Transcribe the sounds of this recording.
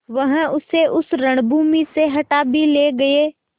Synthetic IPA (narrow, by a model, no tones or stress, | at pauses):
ʋɐɦʊseʔʊsɾəɽ̃bʱuːmiseɦɐʈaːbileːɡɐeː